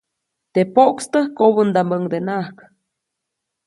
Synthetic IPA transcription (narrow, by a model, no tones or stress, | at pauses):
t̪epoʔkst̪əhkoβənd̪ambəŋd̪enak